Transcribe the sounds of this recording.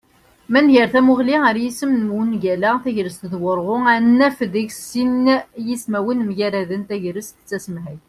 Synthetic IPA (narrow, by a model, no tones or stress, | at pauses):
mænʝəɾθæmʊʁliəɾjisəmnmwənʝælæθæʝɾəst̪ðwəɾˤʁʊænːæfðiʝsinjismæwənmjæɾæðənt̪æʝɾəst̪ət͡sːæsəmɦæj